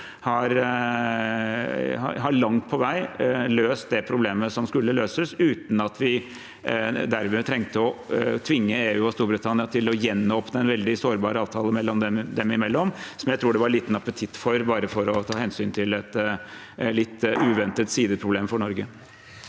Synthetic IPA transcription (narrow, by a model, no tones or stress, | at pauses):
hɑɾ | ɑ̰ɦɑɭɑŋt̪̚pʰɔʋæɪløːst̪̚d̪ɛpʰɾʊbleːməsɔmskʉlːəløːsəsʉːt̪n̩ɑt̪ʰʋɪ | d̪æɾmət̪ʰɾɛŋt̪əɔt̪ʰʋɪŋːəeːʉːɔst̪uːɾbɾət̪ʰɑnɪɑt̪ʰɪlɔjɛnːɔpnəɛnʋɛld̪ɪsoːɾbɑːɾəɑːʋt̪ʰɑːləmɛlːɔmd̪ɛmd̪ɛmɪmɛlːɔmsɔmjæɪɾuːɖɛʋɑɾɭiːt̪n̩ɑpət̪ʰɪt̪ːfɔɾbɑːɾəfɔɾɔt̪ʰɑːhɛnsyːnt̪ʰɪlɛt̪ | lɪt̪ːʉːʋɛnt̪ət̪siːd̪əpʰɾʊbleːmfɔɳɔɾɡə